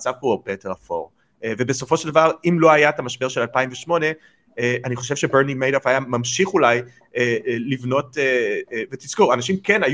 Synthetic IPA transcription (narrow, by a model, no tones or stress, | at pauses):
t͡savpoopeteʁafo̞̰ʁ | ve̞beso̞fo̞ʃeld̪avaʁimlo̞ajat̪amaʃbe̞ʁʃe̞lalpaimveʃmo̞ne̞ | eaniχo̞ʃevʃe̞beʁnimejdofajamamʃiχulaj | elivno̞tevet̪iskoʁanaʃimkenaj